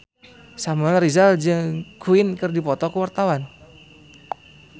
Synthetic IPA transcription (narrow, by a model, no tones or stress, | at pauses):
samuaɾizald͡ʒɨŋkuɪnkɨrdipɔt̪ɔkəwart̪awan